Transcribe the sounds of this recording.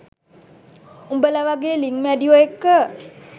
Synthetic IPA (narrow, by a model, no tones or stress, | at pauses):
umbəlaʋaɡeːliŋmeɖioekːə